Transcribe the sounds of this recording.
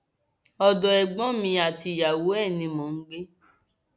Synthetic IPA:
ɔ˧dɔ˧ɛ˨ɡ͡bɔ̃˨˦mĩ˧˦a˨ti˧˨ja˨wo˨˦ɛ˦˨nĩ˧mɔ̃˨n̩˦ɡ͡be˦

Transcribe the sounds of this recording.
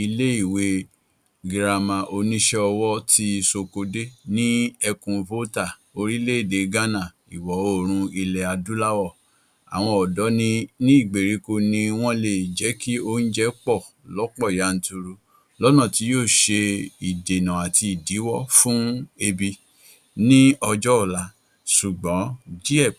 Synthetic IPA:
i˧le˦i˦˨we˧ | ɡɾa˨mã˨ʔo˧nĩ˦ʃɛ˦ɔ˧wɔ˦ti˧so˧ko˧de˦nĩ˦ɛ˧kũ˧vo˦ta˦˨ | o˧ɾi˦le˦i˦˨de˨˦ɡa˦nã˦˨ | i˨wɔ˨˦o˦˨ɾ̃ũ˧i˧lɛ˨a˧du˦la˦wɔ˦˨ | a̰˨w̃ɔ̃˧ɔ˨dɔ˨˦nĩ˦nĩ˦i˦˨ɡ͡be˨ɾi˨˦ko˧nĩ˧w̃ɔ̃˦le˨d͡ʒɛ˨˦ki˦o˦n̩˦d͡ʒɛ˦k͡pɔ˦˨ | lɔ˨˦k͡pɔ˦˨ja˨˦n̩˨˦tu˧ɾu˧ | lɔ˦nã˦˨ti˧˦joː˦˨ʃe˧i˨de˨nã˨a˨ti˧i˨di˨˦wɔ˦fũ˦e˧bi˧ | nĩ˦ɔ˧d͡ʒɔ˦ɔ˦˨la˨˧˦ | su˨ɡ͡bɔ̃˨˦d͡ʒi˦ɛ˦˨

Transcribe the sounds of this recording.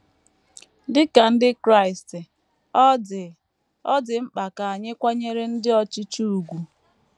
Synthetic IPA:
dɪ˦ka˨n̩˦dɪ˦kɾa˦ɪ˨stɪ˨˦˨ | ɔ˦dɪ˨m̩˦k͡pa˨ka˨a˨ɲɪ˦kʷa˦ɲe˦ɾe˦n̩˦dɪ˦ɔ˨t͡ʃi˦t͡ʃu˦u˨ɡʷu˨

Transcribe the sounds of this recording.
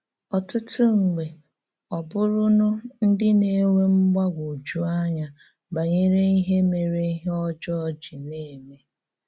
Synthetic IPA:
ɔ˨tʊ˦tʊ˦ŋ̩˨ɡ͡be˨ | ɔ˨bʊ˦ɾʊ˦nʊ˦n̩˦dɪ˦ne˦we˦ŋ͡m̩˦ɡ͡ba˦ɡʷu˨d͡ʒu˦a˦ɲa˨ | ba˨ɲe˦ɾe˦i˦ɦe˦me˨ɾe˦i˦ɦɔ˦d͡ʒɔ˦ɔ˦d͡ʒi˨ne˦˨me˦

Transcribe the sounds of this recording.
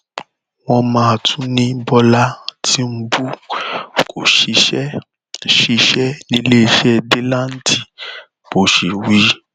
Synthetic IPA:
w̃ɔ̃˧mãː˦a˨tʰũ˦nĩ˦bɔ˧la˦tʰi˦m̩˦bu˦ | kʰo˨ʃi˧ʃɛ˦ | ʃi˨˧ʃɛ˦nĩ˦le˦i˧˨ʃɛ˦˨de˦la˦n̩˦tʰi˦˨ | bo˨ʃi˨wi˨˦

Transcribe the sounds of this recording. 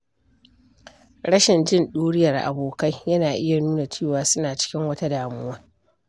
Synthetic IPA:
ɽɐ˦ʃɪ˨nd͡ʒɪ˦nɗuː˦ɽɪ˦jɐ˨rʔa̰˨boː˨ka˦jjɐ˦naː˨ʔɪ˦ja˨nuː˦na˨t͡ʃeː˦˨waː˨sʊ˦naː˨t͡ʃɪ̥˦kʲɪ˦ŋwɐ˦ta˦daː˨mʊ˦wɐ˦ŋ

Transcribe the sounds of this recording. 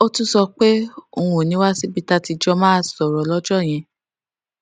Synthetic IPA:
o˦tũ˦sɔ˧k͡pe˦õ˧˨o˨nĩ˨˦wa˦si˦bi˦ta˧ti˧d͡ʒɔ˧mã˦a˦˨sɔ˨ɾɔ˨lɔ˦d͡ʒɔ˦˨j̃ɛ̃˧

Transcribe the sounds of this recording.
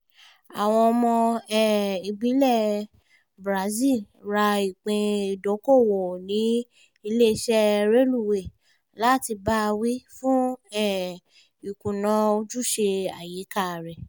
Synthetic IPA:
a˨w̃ɔ̃˧ɔ˧mɔ̃˧ɛ˦˨i˧ɡ͡bi˨˦lɛ˦˨ | bɾa˨˦zi˦˨l | ɾa˧i˨k͡pẽ˧i˨do˨˦ko˦˨wo˨nĩ˨˦ | i˧le˦˧ʃɛ˦ɾe˦lu˦˨we˨ | la˦˨ti˧ba˦˧wi˦fũ˦ɛ˦˨ | i˨kũ˨nã˧o˧d͡ʒu˦˨ʃe˧a˨ji˨˦ka˦˨ɾɛ˨

